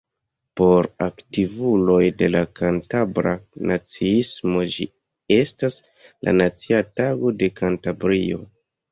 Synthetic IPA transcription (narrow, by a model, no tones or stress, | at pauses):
po̞ɾaktivulo̞jde̞lakantabɾanat͡siismo̞d͡ʒḭ | e̞stas | lʔa̰nat͡siataɡo̞de̞kantabɾio̞̰